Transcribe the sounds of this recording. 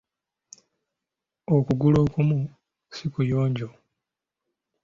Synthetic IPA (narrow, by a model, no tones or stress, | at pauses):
okuɡulo̞ːkumu | sikujoːɲɟo